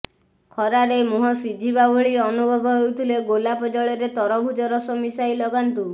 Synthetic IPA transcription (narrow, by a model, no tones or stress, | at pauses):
kʰɔɾaɾemuɦɔsid͡ʒʱibabɔɭiɔnubʱɔbʱɔɦowt̪ʰileɡolapɔd͡ʒɔɭɔɾet̪ɔɾɔbʱud͡ʒɔɾɔsɔmisajlɔɡant̪u